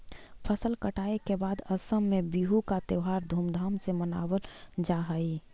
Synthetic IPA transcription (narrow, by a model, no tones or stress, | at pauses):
pʰəsəlkəʈaekebaːd̪əsəmːẽbiɦukat̪eʊɦaːɾd̪ʱuːmd̪ʱaːmseməna̰wəld͡ʒaɦəi